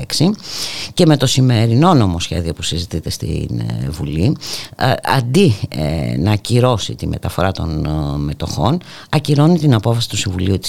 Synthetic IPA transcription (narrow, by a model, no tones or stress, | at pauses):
eksice̞me̞t̪o̞sime̞ɾino̞no̞mo̞sçe̞̰ðio̞pusizit̪it̪e̞st̪ḭnvuli | ɐ̰nd̪i | nɐciɾo̞sit̪ime̞̰t̪ɐfo̞ɾɐt̪o̞̰nme̞t̪o̞̰xo̞̰n | ɐciɾo̞nit̪inɐpo̞fɐsi̥t̪u̥sĩɱvuliut̪i̥